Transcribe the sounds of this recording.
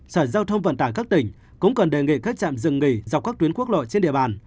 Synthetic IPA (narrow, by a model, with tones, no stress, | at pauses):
səː˧˩zaː˧wt̪ʰə˧wŋ͡mvə̰˧˨nt̪aː˧˩jkaː˦˥k̚t̪ï˨˩ŋ̟ | kʊ̰˧˥ŋ͡mkə˨˩nɗe˨˩ŋḭ˧˨kaː˦˥k̚t͡ɕa̰ː˧˨mzɨ̰˧˨ŋːi˧˩za˨˩k͡p̚kaː˦˥k̚t̪wi˨˦ənku˦˥ək̚lo̰˧˨jt͡ɕe˧nɗḭ˧˨əɓaː˧˩n